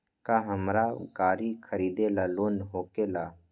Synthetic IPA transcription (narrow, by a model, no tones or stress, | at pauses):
kaɦəmɾakaːɾikʰəɾiːd̪elaːloːnɦoːkelaː